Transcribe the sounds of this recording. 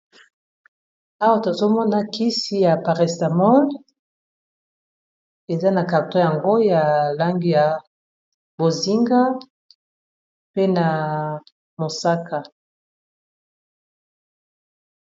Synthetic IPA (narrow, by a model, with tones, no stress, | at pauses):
a˦wa˦to˨zo˦mɔ˦na˦ki˦si˦ja˨pa˨ʁɛ˨sta˨mɔ˦n | e˨za˦na˨ka˨tɔ˦ja˨ŋɡo˦ja˨la˦ŋɡi˦ja˨ | bo˨zi˦ŋɡa˦ | pe˦na˨ | mo˨sa˦ka˨